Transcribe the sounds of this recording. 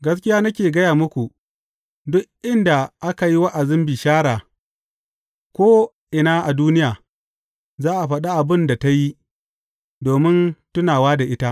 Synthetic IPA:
ɡɐ˦s̬kʲɪ˦jaː˦nɐ˦kʲeː˨ɡɐ˦jaː˨mʊ˦kʷu˨ | dʊ˦ʔʔɪ˦nda˨ʔa˦ka˨ji˦wa˦ʔa˨zɪ˦mbi˨ʃaː˦ɾaː˨ | kʷoː˦ | ʔɪ˨naː˦ʔa˨duː˦nɪ˦jaː˨ | zaː˦ʔa˨ɸɐ˦ɗa˦ʔa˨bɪ˦nda˨ta˦ji˦ | doː˨mɪ˦ntʊ˦naː˨waː˦da˨ʔɪ˦ta˦ʔ

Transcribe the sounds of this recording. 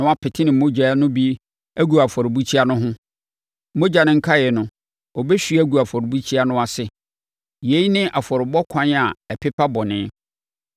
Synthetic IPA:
nʊ̃˨˦a˦pʰɪ˨tʰɪ˦nɪ̃˨mo˦d͡ʑa˨˦nʊ̃˦bi˦ | æ˦ɡu˨a˨fɔ˨ɾɪ˨bu˦t͡ɕʰi˦a˦nʊ̃˦ɦʊ̃˦ | mo˦d͡ʑa˨nɪ̃˦ŋ̩˦kʰa˦jɛ˨nʊ̃˨ | ɔ˨bɛ˦ɕᶣi˦æ˦ɡu˨a˨fɔ˨ɾɪ˨bu˦t͡ɕʰi˦a˦nʊ̃˦a˨sɪ˦ | je˨˦i˦nɪ̃˦ʔa˨fɔ˨ɾɪ˨bɔ˦kʷʰã˦n˦a˨ɛ˨pʰɪ˦pʰa˦bɔ˨nɪ̃˦

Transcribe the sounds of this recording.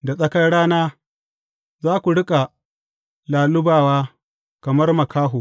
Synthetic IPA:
da˨sʼɐ˦kɐ˦jɽaː˦naː˦ | zaː˦kʷu˨ɽɪ˦kʼa˨ | laː˨lʊ˦baː˨waː˦ | kɐ˨mɐ˦rmɐ˨kaː˦ɦuː˨

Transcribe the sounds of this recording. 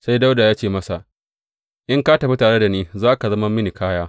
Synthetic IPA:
sa˦jda˦wda˨jaː˦t͡ʃeː˦˨mɐ˦sa˨ | ʔɪ˦ŋka˦tɐ˨ɸi˦taː˨ɽe˦da˨niː˦zaː˦ka˨zɐ˦mɐ˦mːɪ˦ni˨kʰaː˦jaː˦

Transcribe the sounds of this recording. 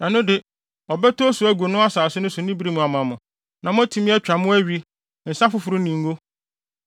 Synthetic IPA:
nã˨nʊ̃˦dɪ˨ | ɔ˨bɛ˦tʰo˦su˨˦æ˦ɡʷu˨o˨nʊ̃˦a˦saː˨sʊ˦nʊ̃˦sʊ˨nĩ˦bi˦ɾi˦mũ˨a˨m̃˨a˨mʊ̃˨ | nã˨mʊ̃˦æ˦tʰĩ˦mɪ̃˦ɛ˦t͡ɕᶣa˨mʊ̃˦æ˦ɥi˦ | n̩˨sã˦fʊ˦fʊ˨ɾu˦nĩ˨ŋ̩˦o˦

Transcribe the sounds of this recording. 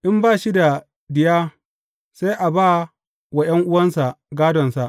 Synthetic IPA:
ʔɪ˦mbaː˦˨ʃi˦da˨ | dɪ˨jaː˦ | sa˦jʔa˨baː˦˨ | wa˨j̰ɐ˦ŋʔʊ˦wɐ˦nsa˨ɡaː˦dɔ˨nsa˨ʔ

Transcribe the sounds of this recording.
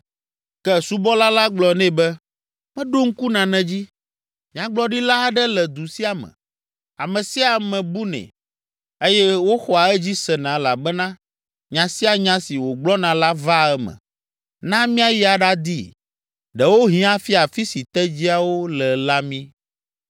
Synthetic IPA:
kɛ˦su˦bɔ˦la˦la˦ɡ͡blɔ˨nɛ̃˦bɛ˦ | mɛ̃˦ɖo˦ŋ̩˦ku˦nã˨nɛ̃˨d͡ʑi˦ | mĩ˦ã˨ɡ͡blɔ˦ɖi˦la˦ɖɛ˦lɛ˨d̪u˨si˦a˨mɛ̰̃˨ | a˨mɛ̃˨si˦a˨mɛ̃˨bu˦nɛ̰̃˨ | e˦jɛ˦wo˦xɔ˨a˨ɛ˦d͡ʑi˦sɛ˨nã˨˦la˨bɛ˦nã˦ | ɲã˨si˦a˨ɲã˦si˨wo˨ɡ͡blɔ˦nã˨la˦va˦ɛ˦mɛ̰̃˨ | nã˦mĩ˦a˦ji˦a˨ɖa˦d̪ḭ˦ | ɖɛ˨wo˦ɦĩ˦a˦fi˦a˨fi˦si˨t̪ɛ˦d͡ʑi˦a˨wo˦lɛ˨la˦mĩ˦

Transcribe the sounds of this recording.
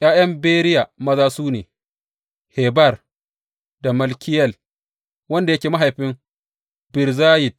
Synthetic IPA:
ʔj̰aː˦jɐ˦mbeː˦ɾɪ˦ja˨mɐ˦zaː˦suː˦nḛː˨ | heː˨bɐ˦˨r | da˨mɐ˨lkʲɪ˦jɐ˦˨l | wɐ˦nda˨jɐ˦kʲeː˨ma˦ɦa˨jɸɪ˦ŋ | bɪ˨ɾzaː˦jɪ˨d̚

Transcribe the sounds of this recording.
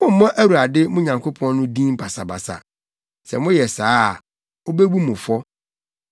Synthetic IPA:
mʊ̃˦m̩˨˦mã˦ʔæ˦wu˨ɾa˨dɪ˦mʊ̃˦ɲã˨ŋkʰo˦pʰɔ̃˦n˦nʊ̃˦dĩ˦m˦pʰa˨sa˨ba̰˨sa̰˨ | sɛ̰˨mʊ̃˦jɛ˨saː˦˨ | o˦be˦bu˦mʊ̃˨fɔ˦

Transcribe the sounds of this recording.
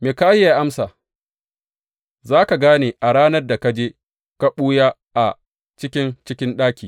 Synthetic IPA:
meː˨kaː˦jːa˨ʔa˦msaː˨ | zaː˦ka˨ɡaː˦neː˨ʔa˨ɽaː˦nɐ˦rda˨ka˦d͡ʒeː˦ | ka˦ɓuː˦ja˦ | ʔa˨ | t͡ʃɪ˦kʲɪ˦nt͡ʃɪ˦kʲɪ˦nɗaː˦kʲiː˨

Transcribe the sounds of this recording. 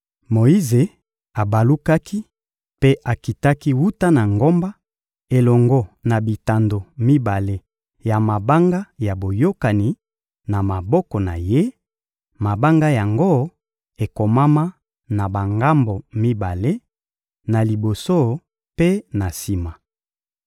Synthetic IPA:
mo˨i˦ze˨ | a˨ba˨lu˦ka˦kʰi˦ | pe˦ʔa˨ki˨ta˦ki˦wu˦ta˦na˨ŋɡo˦mba˦ | e˨lɔ˨ŋɡɔ˦na˨bi˨ta˨ndo˨mi˦ba˨le˦ | ja˨ma˨ba˦ŋɡa˦ja˨bo˨jo˦ka˨ni˨ | na˨ma˨bɔ˦kɔ˨na̰˨je˦ | ma˨ba˦ŋɡa˦ja˨ŋɡo˦ | e˨ko˨ma˦ma˦ | na˨ba˨ŋɡa˦mbo˨mi˦ba˨le˦ | na˨li˨bo˨so˦ | pe˦na˨si˦ma˨

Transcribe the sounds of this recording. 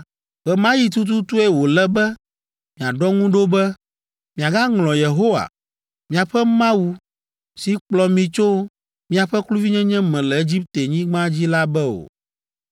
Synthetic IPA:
ɣɛ˨mã˦ji˨t̪̬u˦t̪̬u˦t̪u˦e˦wo˨lɛ˦bɛ˦ | mĩ˨a˨ɖɔ˦ŋũ˦ɖo˦bɛ˦ | mĩ˨a˨ɡa˦ŋlɔ̃˨je˨ɦo˦wa̰˨ | mĩ˦a˨ɸɛ˦mã˦wu˦ | si˨˦k͡plɔ˨mĩ˨t͡ʃo˦ | mĩ˦a˨ɸɛ˦klu˦vi˦ɲɛ̃˦ɲɛ̃˦mɛ̃˨lɛ˨e˦d͡ʑi˦p̚t̪e˨ɲĩ˦ɡ͡bã˦d͡ʑi˦la˦bɛ˦o̰˨

